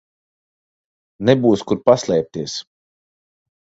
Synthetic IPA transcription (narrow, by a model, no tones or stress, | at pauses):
nɛbuːskuɾpaslˠɛːp̚t̪iɛs